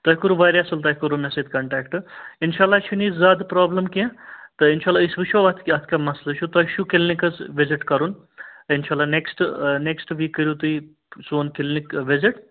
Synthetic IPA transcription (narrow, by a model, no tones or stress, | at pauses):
t̪ɐɦkuɾuʋaːɾʲasɐlt̪̬ɐːɦʲkɐɾumesed̪kɐɳʈaːkʈɨinʃaːlːat͡ʃʰuniːzzaːd̪pɾaːblɐmkʲẽt̪ɨinʃaːlːaːisʋiʃʰoʋɐt̪ʰkiɐt̪ʰkamɐslɐʃʰut̪ɐɦʃʰukelnikɐzʋɪzɪʈkɐɾun | ɪnʃaːlːaneksʈneksʈʋiːkːɐɾjut̪ui | soːnkelnikʋɪzɪʈ